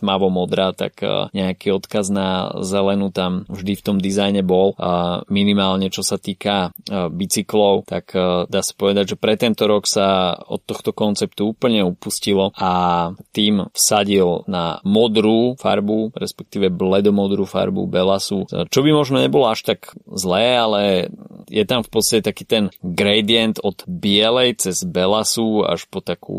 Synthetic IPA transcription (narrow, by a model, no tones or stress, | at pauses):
t̪maʋɔmɔd̪ɾaːt̪a̰kːɲɛakiːɔt̪kaznazɛlɛnut̪amvʒd̪ift̪ɔmd̪izajɲɛbɔlminimaːlɲɛt͡ʃɔsat̪iːkabit͡siklɔʊt̪akd̪aːsḁpɔʋɛd̪aɟʒɛpɾɛt̪ɛnt̪ɔɾɔksaɔ̰t̪ːɔxt̪ɔkɔnt͡sɛpt̪uuːpl̩ɲɛupuscilɔʔat̪iːmfsaɟilna̰mɔd̪ɾuːfa̰ɾbuɾɛspɛk̚t̪iːʋɛblɛd̪ɔmɔd̪ɾuːfa̰ɾbṵbɛlasut͡ʃɔbimɔʒnɔɲɛbɔlɔaʃt̪aɡzlɛːalɛjɛt̪amfpɔtt͡sst̪acɛt̪akiːt̪ɛnɡɾɛjd̪iɛnt̪ɔd̪bɪɛlɛjt͡sɛzbɛlasua̰ʃpɔt̪akṵː